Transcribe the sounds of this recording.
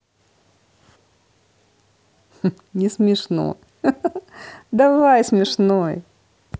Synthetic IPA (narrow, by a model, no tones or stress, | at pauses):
nʲɪsmʲɪʂno̰ | d̪ɐvajsmʲɪʂnoj